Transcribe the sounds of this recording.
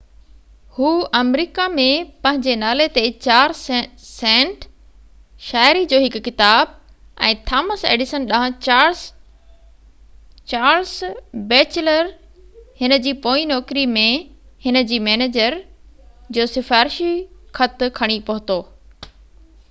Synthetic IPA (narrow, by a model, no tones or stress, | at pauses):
huːʔɐmɾiːkamẽpɐ̃ɦɪ̃ɲd͡ʑenaːlet̪et͡ɕaːɾsɛ̃ːɳʈ | ʃaːɪɾid͡ʑoːɦɪkʊːɪt̪aːb̚ | ɛ̃ːt̪ʰaːməsḛːɖɪsənɗaɦə̃ | t͡ɕaːɾsbeːt͡ɕɪləɾ | hɪnə̆d͡ʑiːpoːinɔːkɾimẽhɪnə̆d͡ʑiːmɛːneːd͡ʑəɾ | d͡ʑoːsɪfaːɾɪʃixʰɐt̪kʰɐɽ̃ipɐɦʊt̪oː